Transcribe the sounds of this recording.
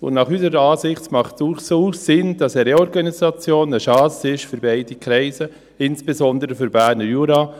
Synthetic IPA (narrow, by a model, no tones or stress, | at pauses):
ʊ̰nnɑχysəɾɑːsɪχt͡smɑχtuχsoːsɪnd̥ɑsɛɾeɔɾɡɑnisɑt͡sjoːnəʃɑːsɪʃfyɾbɛɪd̥ikɾɛɪsə | ɪnsb̥ezɔndəɾəfʏɾbæːɾnəɾjuɾɑː